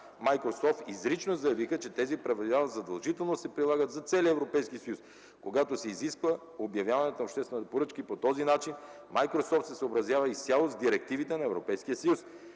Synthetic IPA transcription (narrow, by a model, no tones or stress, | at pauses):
majkɾosɔft̪izɾit͡ʃnozɐjɐvixət͡ʃɛt̪ɛzipɾɐvɛd̪aəzɐd̪ɐlˠʒit̪ɛlˠnosɛpɾilˠaɡət̪zɐt̪sɛlʲiəɛvɾopɛjskisɐjus | koɡat̪osɛiziskvə | objɐvjavɐnɛt̪oɐopʃt̪ɛst̪vɛnt̪ɛpoɾɤt͡ʃkipot̪ɔzinat͡ʃin | majkɾosɔft̪sɛsəobɾɐzʲjavɐist̪sʲalˠozd̪iɾɛk̚t̪ivit̪ɛnɐɛvɾopɛjskijəsɐjus